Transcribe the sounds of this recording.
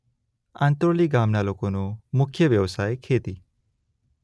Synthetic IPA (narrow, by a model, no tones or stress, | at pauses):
ã̰nt̪ɾoliɡamnalokonumʊkʰjəʋjəʋsajkʰet̪i